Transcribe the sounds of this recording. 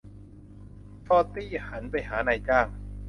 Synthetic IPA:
t̪ɔː˥˩t̪iː˥˩ha˩˦npa˧jɦaː˩˦na˧jt͡ɕaː˥˩ŋ

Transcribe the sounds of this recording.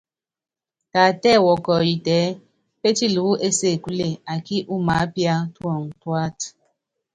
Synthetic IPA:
ta˨tɛ˦˨wɔ˨kɔ˨ji˨tɛː˨˦ | pe˦ti˦lu˨˦ʔe˦se˦˨ku˦le˦˨a˨ki˦ʔu˦ma˨˦pja˦twɔ˦˨ŋ̩˨twa˦t

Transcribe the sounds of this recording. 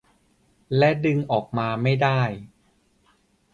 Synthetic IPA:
lɛ˦˥dɯ˧ŋʔɔː˨˩k̚maː˧ma˥˩jdaː˥˩j

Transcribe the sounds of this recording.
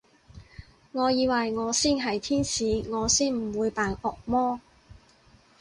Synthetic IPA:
ŋɔː˨˧jiː˨˧wɐ˨jŋɔː˨˧siː˥nɦɐ˨jt̪ʰiː˥nsiː˨˧ŋɔː˨˧siː˥˩nm̩˨˩wuː˨˧jpaː˨nɔː˨k̚mɔː˥

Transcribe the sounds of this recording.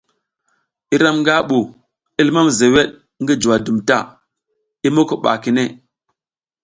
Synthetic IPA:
i˦ɾa˦mŋɡa˦ɓu˨ | i˦lma˦mze˨we˦ɗ | ŋɡi˦d͡ʒu˨wa˨du˨mta˦˨ | i˦mo˦ko˨ɓa̰˨ki˨ne˦˨

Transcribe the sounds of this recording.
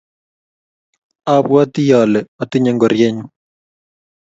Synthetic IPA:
abwa˦t̪i˦jɔ˨lɛɔ˨t̪ɪ˦ɲɛ˦ŋɡɔ˨ɾjɛ˦ɲ

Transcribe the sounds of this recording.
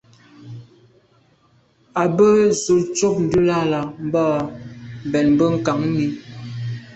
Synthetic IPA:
a˨bə˦zu˨lt͡ʃo˦p̚n̩˨du˦la˦la˨m˦ba˦ | bɛ˨nbə˦ŋ̩˨ka˨ŋ˦ni˦

